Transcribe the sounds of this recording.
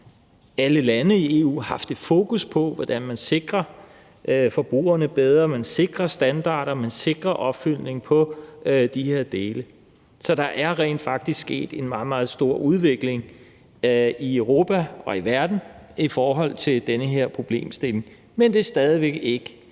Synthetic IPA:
æləlænəie̝ːṵːhɑ̈fd̥əfo̝̰ːkʰuspʰɒ̽ʋɒd̥ænmænse̝ɡ̥ʁɐ | ʔfɒ̽b̥ʁṵːɐnəb̥eð̞ˠʁɐmænse̝ɡ̥ʁɐsd̥ænd̥ɑ̰̈ːɾ̥ɐmense̝ɡ̥ʁɐʔɒ̽b̥fyl̰ne̝ŋ̩pʰɒ̽d̥ihe̝ɐd̥e̝ːlə | sɒ̽d̥ɑ̈ʔæɐʁɛ̰ːnd̥fɑ̈ɡ̥d̥isɡsɡ̥e̝̰ːd̥e̝nmɑ̈ːð̩ˠmɑ̈ːð̞̩ˠsd̥o̝ɐ̰ʔuð̞ˠʋe̝ɡ̥le̝ŋ | iøʊʁo̝ːpʰæʔɒ̽iʋæɐd̥n̩ifɒːɦɒ̽l̰t͡sʰe̝ld̥enəɦe̝ɐ̰pʰʁo̝b̥le̝̰ːmsd̥e̝le̝ŋ | mend̥e̝sd̥ɛːð̞ˠiʋeɡ̥e̝ɡ̥ə

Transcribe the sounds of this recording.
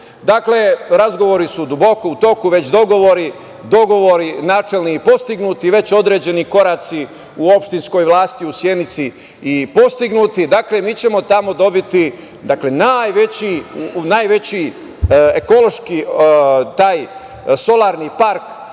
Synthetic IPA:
d̪akle̞ɾazɡo̞ʋo̞ɾisud̪ubo̞ko̞ut̪o̞kuʋe̞t͡ɕd̪o̞ɡo̞ʋo̞ɾi | d̪o̞ɡo̞ʋoɾinaːt͡ʃelniipo̞st̪iɡnuːt̪iʋe̞t͡ɕo̞d̪ɾed͡ʑe̞niko̞ɾaːt̪si | uo̞pʃt̪insko̞jʋlˠaːst̪iusje̞nit̪siː | po̞st̪iɡnut̪id̪akle̞miːt͡ɕe̞mo̞t̪amo̞d̪o̞bit̪i | d̪akle̞najʋet͡ɕinaːjʋe̞t͡ɕi | eko̞lo̞ʃki | t̪aːj | so̞lˠaːɾnipaɾk

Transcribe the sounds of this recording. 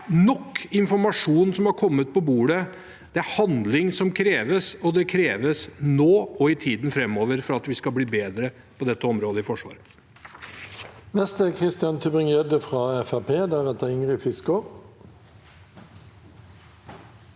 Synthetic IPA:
nɔkːɪnfɔɾmɑʂuːnsɔmhɑɾkʰɔmːət̪̚pɔbuːɽə | d̪̥ɛæɾhɑnd̪lɪŋsɔmkʰɾeːʋəsɔd̪ɛkʰɾeːʋəsnoːɔɪt̪ʰiːd̪n̩fɾɛmːoːʋəɾfɔɾɑt̪ʋɪskɑlbliːbeːd̪ɾə | pʰɔd̪ɛt̪ːəɔmɾoːd̪əɪfɔʂʋɑ̰ːɾ | nɛst̪əkʰʁɪst̪ɪɑnt̪ʰʉbʁɪŋeːd̪əfʁɑːɛfæʁpʰeːd̪æʁɛt̪əɪŋʁɪfɪskʊ

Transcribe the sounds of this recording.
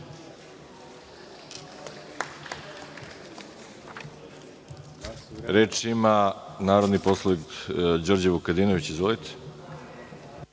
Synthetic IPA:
ɾeːt͡ʃimanaːɾod̪niposlˠoʋikd͡ʑoːɾd͡ʑeβukad̪iːnoʋit͡ɕizʋolit̪ʰe̥

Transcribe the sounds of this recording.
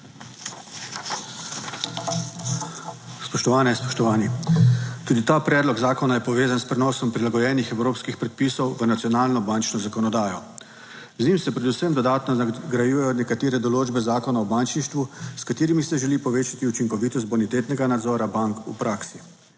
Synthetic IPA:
spɔʃt̪ɔʋaːnɛspɔ̥ʃt̪ɔʋaːni | t̪uːd̪it̪apɾɛːd̪lɔɡzaːkɔnajɛpɔʋeːzanspɾɛnɔːsɔmpɾilaɡɔjɛːnixɛwɾoːpskixpɾɛt̪̚pisɔwʋənat̪sijɔnaːlnɔbant͡ʃnɔzakɔnɔd̪aːjɔ | znimsɛpɾɛd̪usəmd̪ɔd̪aːt̪nɔaɡɾajuːjɛjɔnɛkat̪eːɾɛd̪ɔloːd͡ʒbɛzaːkɔnaɔbant͡ʃniʃt̪ʋuskat̪eːɾimisɛʒɛlipɔʋeːt͡ʃat̪iut͡ʃiŋkɔʋiːt̪ɔs̬t̪̚bɔnit̪eːt̪nɛɡanad̪zɔɾabaŋkṵpɾʔaːksi

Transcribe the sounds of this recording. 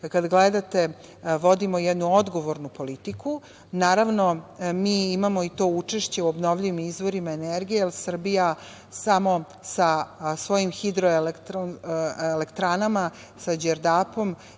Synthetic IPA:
kad̪ɡled̪at̪e | ʋo̞d̪imo̞jɛd̪nuod̪ɡo̞ʋo̞ɾnupo̞lit̪ikʰu | naːɾaʋnomiːimamo̞it̪o̞ut͡ʂeʃt͡ɕe̞uobno̞ʋʎiʋimizʋo̞ɾimaeneɾɡijelsr̩bija | samo̞ | sasʋo̞jimxid̪ɾoelekt̪onelekt̪ɾaːnama | sad͡ʑeɾd̪apo̞m

